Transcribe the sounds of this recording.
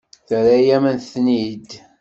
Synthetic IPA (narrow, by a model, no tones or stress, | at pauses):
θæɾæjæmənθnid̪